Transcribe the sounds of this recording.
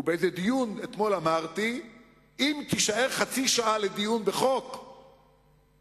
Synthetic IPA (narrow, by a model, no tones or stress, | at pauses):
ubeezed̪ijunet̪mo̞lamaʁt̪i | imkiʃaeʁχat͡siʃaʔaled̪ijunbeχo̞k